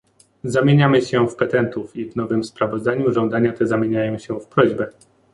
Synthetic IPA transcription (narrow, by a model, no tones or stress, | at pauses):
zamʲjeɲamɘɕɛfpɛt̪ɛnt̪ufivnɔvɘmspɾavɔzd̪aɲuʐɔ̃nd̪aɲat̪ɛzamʲjeɲajɔ̃w̃ɕɛfpɾɔʑbɛ